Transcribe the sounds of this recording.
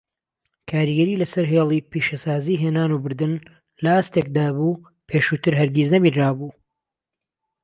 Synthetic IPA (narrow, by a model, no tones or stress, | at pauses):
kʰaːɾiɡɐɾiːlɐsɐɾɦeːlˠiːpiːʃɐsaːziːɦeːnaːnuːbɨɾd̪ɨn | lɐaːst̪ek̚d̪aːbuː | pʰeːʃuːt̪ɨɾɦɐɾɡiznɐbiːnraːbuː